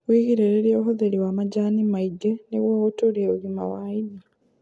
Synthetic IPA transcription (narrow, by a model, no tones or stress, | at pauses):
wiɣiɾeɾeɾjoːɦoðeliwamaɟaːnimaiɡeniwoːutuɾieulima̰waini